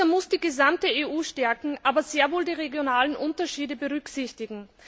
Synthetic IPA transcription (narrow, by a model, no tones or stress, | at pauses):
ɐmʊsd̥iːɡəzamtəeːʔuːʃtɛɐkŋ̩ʔaːbɐzeːɐvoːldiːʁeɡjonaːlənʔʊntɐʃiːdəbəʁʏksɪçtɪɡŋ̩